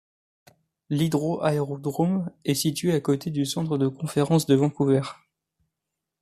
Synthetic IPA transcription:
lid̪ʁoʔaeʁod̪ʁomɛsit̪ɥeakot̪ed̪ysɑ̃t̪χəd̪əkɔ̃feʁɑ̃sd̪əvɑ̃kuvɛʁ

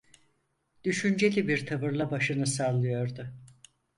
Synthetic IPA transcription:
d̪̥yʃynd͡ʒe̞lʲibiɾt̪ʰabɯɾlˠabaʃɯnɯsalˠɯjo̞ɾd̪ʊ

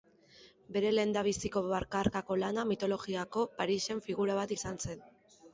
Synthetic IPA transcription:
be̞ɾe̞le̞nd̪aβ̞isiko̞βaɾkaɾkako̞lanamit̪o̞lo̞ɣiako̞paɾise̞ɱfiɣ̞uɾaβ̞at̪isanse̞n

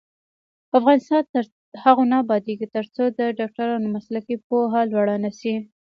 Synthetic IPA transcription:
afɣɑnɪst̪ɑnt̪ | haɣonɑbɑd̪eɡit̪əɾt͡sod̪əɖɑk̚ʈaɾɑnomaslakip̚oɦalwaɽanasi

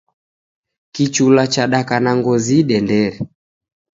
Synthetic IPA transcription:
kit͡ʃulat͡ʃaɗakanaŋɡɔziɗɛndɛɾɛ

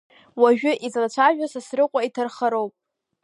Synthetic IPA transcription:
waʒᶣʊʔizlat͡ʃʷʰaʒᶣasasrɨqʷʼaitʰɨrχaɾowpʼ

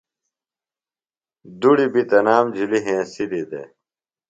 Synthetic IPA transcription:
d̪uɽibit̪ɐnaːmd͡ʑuliɦẽːsilid̪ḛ

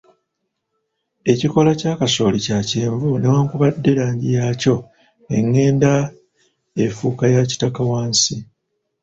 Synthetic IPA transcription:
e̞ciko̞lacaːkaso̞ːlicaceːɱvune̞waːŋkuβadːe̞ɾaːɲɟijaːco̞ | ne̞̰ŋːe̞ːnda | e̞fuːkajaci̥takawaːnsi

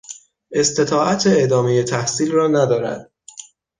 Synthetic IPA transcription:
e̞st̪e̞t̪ʰɒːʔæt̪ʰeed̪ɒːmeje̞t̪ʰæhsiːlrɒːnæd̪ɒːɾæ̰d̪̥̚

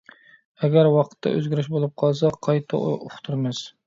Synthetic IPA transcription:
ɛɡʲæɾwɑqʰə̥t̪ʰːɑ̰ʔøzɡʲiɾɪʃbolˠup̚qʰɑlˠs̬ɑqʰɑjt̪ʰɑ̰ʔoχt̪ʰuɾmɛs

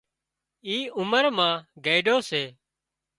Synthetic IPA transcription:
iːʊməɾmãːɡeːɪɖoːseː

